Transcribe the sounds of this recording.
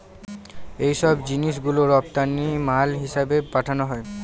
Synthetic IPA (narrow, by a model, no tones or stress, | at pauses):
ejʃɔbd͡ʑiniʃ̬ɡuloɾɔp̚t̪anːimalɦiʃabepaʈʰanoɦɔe